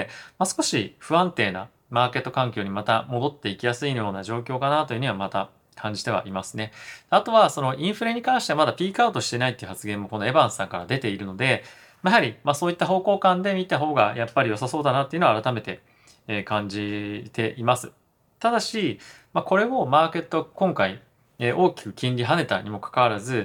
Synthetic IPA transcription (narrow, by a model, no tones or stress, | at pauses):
masɨ̥ko̞ɕiɸɯ̟ãnt̪e̞ːna̰ | maːke̞t̪ːokãŋkʲo̞ːɲ̟imat̪amo̞d̪o̞t̪ːe̞ikʲijasɨijo̞ːnaʑo̞ːkʲo̞ːkanat̪o̞jiɯ̟ɲ̟iβamat̪a | kʰãɲ̟d͡ʑit̪e̞βa̰ʔimasɨ̥ne̞d̪̥eat̪o̞βaso̞no̞ʔĩɰ̃ɸɯ̟ɾe̞ɲ̟ikãɰ̃ɕi̥t̪e̞amad̪apʲiːkaɯt̪o̞ɕi̥t̪enait̪ːeiɯ̟hat͡sɨɡẽ̞mːo̞ko̞no̞ebãɰ̃sãŋkaɾad̪e̞t̪e̞iɾɯ̟no̞d̪e̞ | majɦaɾʲimasoːit̪ːaɦo̞ːko̞ːkãnd̪e̞mʲit̪aɦo̞ːɡajapːaɾʲijo̞saso̞ːd̪anat̪eɯ̟no̞aɾat̪ame̞t̪e̞ː | kãɲ̟d͡ʑit̪e̞ʔimasɨ̥ | t̪ad̪aɕi | mako̞ɾe̞o̞maːke̞t̪ːo̞kõ̞ŋkai | eʔo̞ːkʲi̥kɯ̟kʲĩnɾʲiɦane̞t̪a̰ɲ̟imo̞kḁkaβaɾazɨ